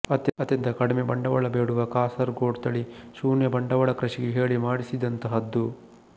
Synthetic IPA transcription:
ɐt̪jɐt̪jɐnt̪ɐkɐɽimebɐɳɖɐʋɐɭɐbeːɽuʋɐkaːsɐɾɡoːɖt̪ɐɭiʃuːnjɐbɐɳɖɐʋɐɭɐkɾɐʂiɡeɦeːɭimaːɽisid̪ɐnt̪ɐɦɐd̪ːu

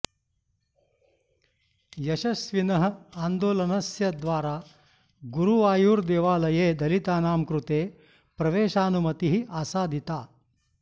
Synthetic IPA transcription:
jɐʃɐsʋinɐɦɐ̆aːnd̪oːlɐnɐsjɐd̪ʋaːɾaː | ɡuɾuʋaːjuːɾd̪eːʋaːlɐjeːd̪ɐlit̪aːnaːmkɾut̪eː | pɾɐʋeːʃaːnumɐt̪iɦiʔaːsaːd̪ʱit̪aː

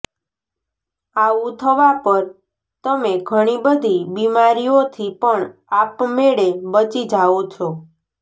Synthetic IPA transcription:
aũt̪ʰəʋapəɾ | t̪əmeɡʱəɽ̃ibəd̪ʱibimaɾijot̪ʰipəɳapmeɽebət͡ʃid͡ʒʱaot͡ʃʰo

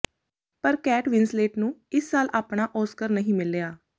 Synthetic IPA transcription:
pəɾkɛːʈʋɪnsleːʈnũːɪsːaːlaːpɳaːʔɔːskəɾnəɦĩːmɪlejaː

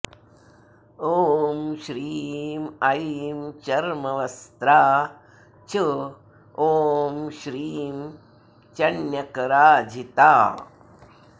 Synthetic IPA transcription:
oːmʃɾiːmɐimt͡ʃɐɾmɐʋɐst̪ɾaː | t͡ʃʰɨ | oːmʃɾiːm | t͡ʃɐɳjɐkɐɾaːd͡ʒʱit̪aː

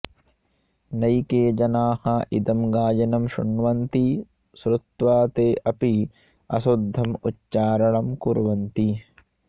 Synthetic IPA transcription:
nɐjkeːd͡ʒɐnaːhɐʔid̪ɐmɡaːd͡ʒɐnɐmʃṵɳʋɐnt̪i | sɾut̪ʋaːt̪eːʔɐpi | ɐ̰sud̪ʱːɐmutːt͡ʃaːɾɐɳɐmkuɾʋɐnt̪i

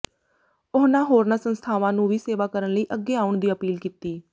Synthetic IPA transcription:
ʊɦnãːɦoːɾnãːsənst̪ʰaːʋãːnũːʋiːseːʋaːkəɾənləiːʔəɡːeːaːʊɳd̪iːəpiːlkiːt̪iː

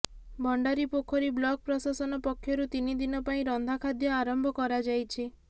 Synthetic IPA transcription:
bʱɔɳɖaɾipokʰɔɾiblɔk̚pɾɔsasɔnɔpɔkʰːjɔɾut̪inid̪inɔpaĩɾɔnd̪ʱakʰad̪jɔaɾɔmbʱɔkɔɾad͡ʒajt͡ʃʰi

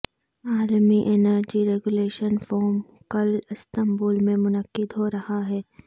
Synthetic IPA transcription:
aːlmiʔenəɾd͡ʒiɾeːɡʊleːʃənfɔːɾm | kɐlɪst̪ɐmbuːlmẽmʊnəqːɪd̪ɦoːɾɐhaɦɛː

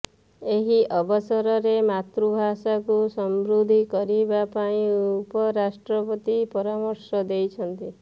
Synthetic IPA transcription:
eɦiʔɔbɔsɔɾɔɾemat̪ɾubʱasakusɔmbɾud̪ʱikɔɾibapaĩupɔɾasʈɾɔpɔt̪ipɔɾamɔɾsɔd̪ejt͡ʃʰɔnt̪i

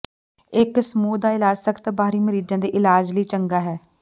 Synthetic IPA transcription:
ɪksəmuːd̪aːɪlaːd͡ʒsəkt̪abaːɾiːməɾiːd͡ʒãːd̪eːʔɪlaːd͡ʒliːt͡ʃəŋɡaːɦɛː

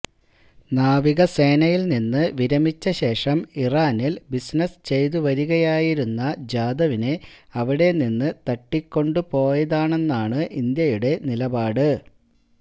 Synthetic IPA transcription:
naːʋiɣɐse̞ːnɐjilninːɨʋiɾɐmit͡ɕːɐɕe̞ːʂɐmiraːnilbisnɐst͡ɕe̞jt̪uʋɐɾuɣɐjaːjiɾunːɐd͡ʑaːd̪ɐʋineɐʋiɽe̞ninːɨt̪ɐʈːikʲːo̞ɳɖupo̞ːjɐðaːɳe̞nːaːɳɨʔind̪jɐjuɽe̞nilɐbaːɽɨ

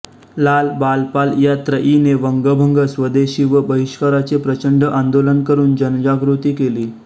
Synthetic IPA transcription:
lalbalpaljat̪ɾəʔineʋəŋɡəbʱəŋɡəsʋəd̪eɕiːʋəbəɦiʂkəɾat͡sepɾət͡ɕəɳɖəʔãnd̪olənkəɾuːnd͡ʑənd͡ʑaɡɾut̪iːkeliː

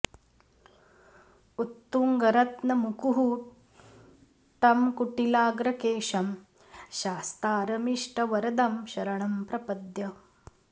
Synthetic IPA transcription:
ut̪ːuŋɡɐɾɐt̪nɐmukuɦuː | ʈɐmkuʈilaːɡɾɐkeːʂɐm | ʃaːst̪aːɾɐmiʂʈɐʋɐɾɐd̪ɐmʃɐɾɐɳɐmpɾɐpɐd̪jɐ

